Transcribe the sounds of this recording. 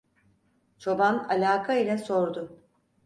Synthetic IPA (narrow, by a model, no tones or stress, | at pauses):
t͡ʃʰo̞banalʲaːkʰailʲɛso̞ɾd̪ʊ